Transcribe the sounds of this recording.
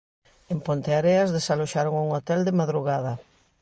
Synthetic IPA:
empont̪eaɾeazðesaloʃaɾoŋuŋot̪ɛld̪emaðɾuɣaðɐ

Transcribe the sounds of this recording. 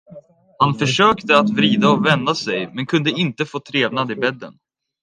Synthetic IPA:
hanfœʂøːkt̪əat̪vɾiːd̪aɔvɛnd̪asɛjmɛnkʰɵnd̪əɪnt̪əfoːt̪ʰɾeːvnad̪ɪbɛd̪ːə̰n

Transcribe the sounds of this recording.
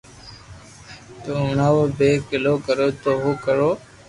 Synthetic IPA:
t̪oːʊnaːʋobeːkɪloːkəɾoːt̪oːɦoːkəɾoː

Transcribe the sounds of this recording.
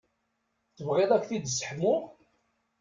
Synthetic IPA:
θəvʁeðˤækθid̪sə̥ħmːʊ

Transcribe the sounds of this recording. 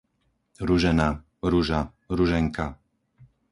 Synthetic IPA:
ɾuʒɛna | ɾuʒa | ɾuʒɛŋka

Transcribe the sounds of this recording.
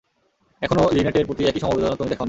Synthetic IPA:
ɛkʰonolineʈeɾpɾot̪iɛkiʃɔmobed̪onot̪omid̪ɛkʰaon

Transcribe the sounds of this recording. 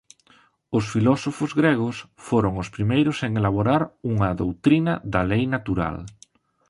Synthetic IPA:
ʊsfilɔsofʊzɣɾeɣ̞ʊsfoɾoŋʊspɾimejɾʊseŋelaβoɾaɾuŋɐðowt̪ɾinɐðɐlejnat̪uɾa̰l

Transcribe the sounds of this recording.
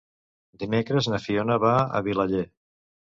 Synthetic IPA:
d̪imekɾəznəfionəβaə̰βiləʎe

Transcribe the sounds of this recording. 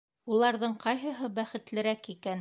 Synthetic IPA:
ulˠɑɾðɤɴqɑjɦɤɦɤbæχɘ̆t̪lɘ̆ɾækikæn

